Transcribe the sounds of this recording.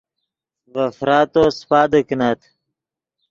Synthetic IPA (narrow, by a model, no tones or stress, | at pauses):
vɐfɾaːt̪ospaːd̪əkinat̪